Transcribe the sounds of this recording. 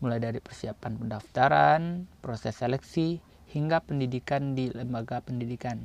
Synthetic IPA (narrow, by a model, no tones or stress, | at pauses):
mulajdaɾipərsiapanpəndaft̪aɾanpɾosɛselɛksi | hiŋɡapəndidikandiləmbaɡapəndidikan